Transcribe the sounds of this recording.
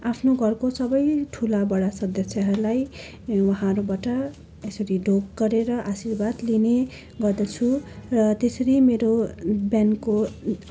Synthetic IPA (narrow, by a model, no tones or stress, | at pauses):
apʰnoɡʱʌrkosʌbʌjʈʰulabʌɽasʌd̪ʌsjʌɦʌɾlaj | wʌɦãʌɾubaʈʌ | esʌɾiɖʱokɡʌɾeɾʌʔasirbad̪line | ɡʌrd̪ʌt͡sʰurʌt̪esʌɾimeɾobjanko